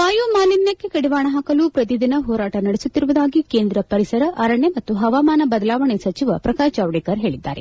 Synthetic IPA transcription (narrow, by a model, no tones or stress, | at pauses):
paːjuːmaːninjɐkːekɐɽiʋaːɳɐɦaːkɐlupɾɐt̪̬id̪inɐɦɔːɾaːʈɐnɐɽesut̪ːiɾuʋud̪aːɡikeːnd̪ɾɐpɐɾisɐɾɐʔɐɾɐɳemɐt̪ːuɦɐʋaːmaːnɐbɐd̪ɐlaːʋɐɳesɐt͡ʃiʋɐpɾɐkaːt͡ʃaːʋɽekɐɾɦe̞ːɭid̪ːa̰ːɾe